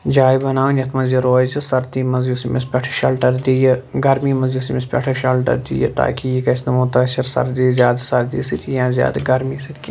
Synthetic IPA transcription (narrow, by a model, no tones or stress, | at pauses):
d͡ʒaːjbɐnaːʋnʲjɐt̪ʰmɐnziɾoːjzɐsɐɾd̪iːmɐzjusimespʲɐʈʰɐ̥ʃɐlʈɐɾd̪ijɐɡɐɾmimɐzjusimespʲɐ̰ʈʰɐʃɐlʈɐ̰ɾd̪ḭjɐ̰t̪a̰ːkijikɐsnɐmut̪ɐʃɐɾsɐ̰ɾd̪iːzjaːd̪asɐɾd̪iːsit̪ʰʲijãːzʲja̰ːd̪ɡɐɾmiːsit̪ʰʲkʲi